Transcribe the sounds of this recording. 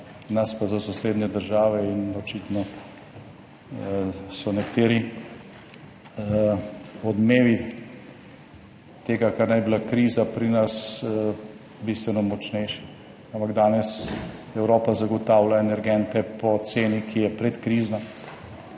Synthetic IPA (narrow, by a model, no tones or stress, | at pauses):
naspazasɔseːd̪nɛd̪əɾʒaːʋɛinɔt͡ʃiːt̪nɔ | sɔnɛkt̪eːɾi | ɔd̪meːʋi | t̪eːɡakaɾnajbilakɾiːzapɾinas | bist̪ʋɛnɔmɔt͡ʃnɛjʃ | ampaɡd̪aːnɛsɛwɾoːpazaɡɔt̪aːwlaɛnɛɾɡɛnt̪ɛpɔt̪seːnikʰijɛpɾɛt̪kɾiːznɔ